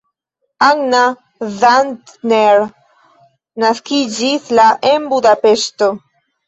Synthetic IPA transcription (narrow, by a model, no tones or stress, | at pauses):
aɡna | zantneɾ | naskid͡ʒislaʔenbud̪ape̞sto̞